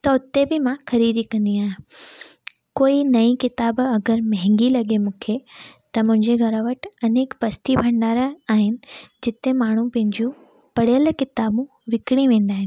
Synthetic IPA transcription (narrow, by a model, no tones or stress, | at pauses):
t̪ɐʊt̪ebɪmãxɐɾiːd̪ikɐ̃nd̪iaːɦẽ | koːinɐĩkɪt̪aːbɐɡəɾmɐɦɪ̃ŋɡilɐɠemũːkʰet̪ɐmʊ̃ɦɪ̃ɲd͡ʑeɡʱɐɾəʋəʈɐneːkpɐst̪ibʱɐ̃ɳɖaːɾəaːɦɪnɪ̆d͡ʑɪt̪emaːɳ̤ũpɐ̃ɦɪ̃ɲd͡ʑũ | pɐɽ̤ijəlkɪt̪aːbũ | ʋɪkɽ̃ĩʋẽːnd̪aːɦɪnɪ